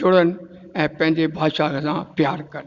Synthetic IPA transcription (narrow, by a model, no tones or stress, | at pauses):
d͡ʒʊɽən | ɛ̃ːpɛ̃ːnd̪ebʱaːʃakesãːpjaːɾkɐɾ